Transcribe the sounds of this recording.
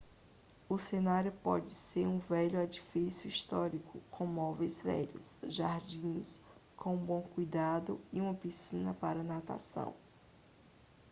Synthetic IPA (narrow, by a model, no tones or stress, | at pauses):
ʊsenaɾjʊpɔ̰d͡ʒɪseɾũvɛʎʊad͡ʒifisjʊiʃt̪ɔɾikʊkʰõmɔvejzvɛ̰ʎɐ̰sʒaɾd͡ʒĩskõbõw̃kujd̪ad̪ʊiũmɐpisĩnɐpaɾɐnat̪a̰sɐ̰̃w̃